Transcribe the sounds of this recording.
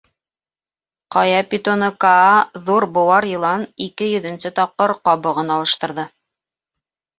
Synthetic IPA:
qɑjɑpʲit̪onɤkaːðuɾbŏwɑɾjɤ̆lˠɑnikɘjɵ̆ðɘ̆nsɘt̪ɑp̚qɤɾqɑβɤ̆ʁɤnɑlˠɤ̆ʃt̪ɤ̆ɾðɤ

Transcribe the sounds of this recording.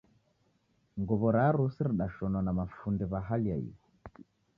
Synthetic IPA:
ŋɡɔβɔɾaɾusiɾiɗaʃɔnwanamafundɛβaɦalia̰ḭɔ

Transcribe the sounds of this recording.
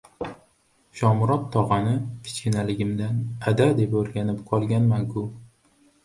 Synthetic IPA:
ʃɒmʊɾɒt̪ʰːɒʁɨnɪfʲʰɪ̥t͡ʃkʲɪnalɪɡʲɪmd̪anad̪ad̪e̞poɾɡʲanɪp̚qʰɒlˠɡʲanmaŋkʰʊ

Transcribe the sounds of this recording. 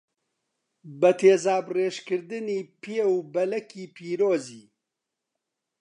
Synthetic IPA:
bɐt̪ʰeːzaːbreːʃkɨɾd̪ɨniːpʰeːwbɐlɐkiːpʰiːɾoːziː

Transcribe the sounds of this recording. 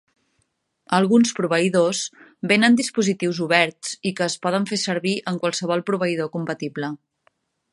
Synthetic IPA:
əlˠɣunspɾuβəiðoz | benənd̪ispuzit̪iwzuβɛɾt͡sikəːspɔð̞əɱfesəɾβiʔəŋkwalˠsəβ̞ɔlˠpɾuβ̞əið̞okumpət̪iblə

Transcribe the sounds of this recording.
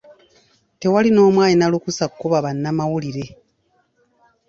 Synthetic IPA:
te̞walino̞ːmwaːɲinalukusakukoβaβanːamawuliɾe̞

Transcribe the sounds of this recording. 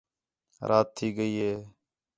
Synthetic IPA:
ɾʔaːt̪ʰːiːɡəiːɦeː

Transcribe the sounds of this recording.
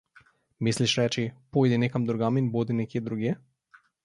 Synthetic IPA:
misliʃɾɛt͡ʃipojd̪inekamd̪ɾoɡaminbod̪inɛkied̪ɾuɡjɛ

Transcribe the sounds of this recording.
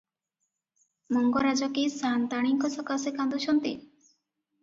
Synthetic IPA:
mɔŋɡɔɾad͡ʒɔkisant̪aɽ̃iŋkɔsɔkasekand̪ɔʃɔnt̪ḭ

